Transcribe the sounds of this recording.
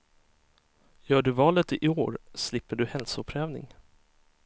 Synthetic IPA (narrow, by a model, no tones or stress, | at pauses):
jœːɖɵvɑːlət̪ɪʔɪoːɾslɪpːəɖɵhɛlsʊʊpʰːɾɛːvnɪ̰ŋ